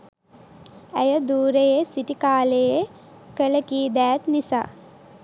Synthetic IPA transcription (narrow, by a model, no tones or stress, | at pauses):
æjəd̪uːɾejesiʈikaːleje | kələkiːd̪æːt̪nisa̰ː